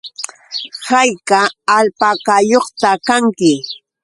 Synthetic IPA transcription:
hajkaːlpakajoχt̪akaŋkɪ

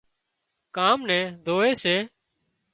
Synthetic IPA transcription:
kaːmnɛ̃ːd̪ʱoːeːseː

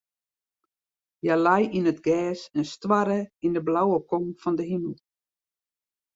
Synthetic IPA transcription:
jalajinətɡɛːsənstwaɾəindəblawəkɔŋfɔndəɦiməl̩ˠ

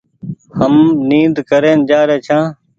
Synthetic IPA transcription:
həmniːnd̪kəɾeːnd͡ʒaːɾeːt͡ʃʰãː

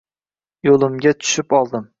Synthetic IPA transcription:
jolˠɪmɡʲat̪ʰʊ̥ʃɪpɒlˠd̪ɪm

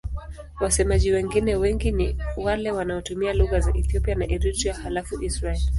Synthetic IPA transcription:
wasɛmaʄiwɛŋɡinɛwɛŋɡiniwalɛwanaɔtumialuɣazaʔɛθiɔpianaʔɛɾitiahalafuʔisɾaɛli

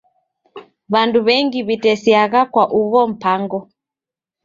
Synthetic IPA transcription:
βanduβɛŋɡiβitɛsiaɣakwaʔuβɔm̩paŋɡɔ

